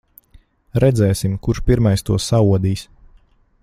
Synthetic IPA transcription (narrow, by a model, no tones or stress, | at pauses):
ɾɛd̪zɛːsimkuɾʃpiɾmajst̪uɔsauɔd̪iːs